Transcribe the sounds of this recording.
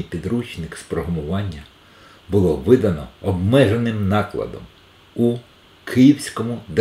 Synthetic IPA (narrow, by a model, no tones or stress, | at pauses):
ijpʲid̪ɾut͡ʃnɪkspɾɔɦɔmʊʋɑnʲːɐ | bʊlˠɔʋɪd̪ɐnɔɔbmɛʒenɪmnɑklˠɐ̰d̪ɔ̰m | u | kʰɪjiwsʲkɔmʊd̪e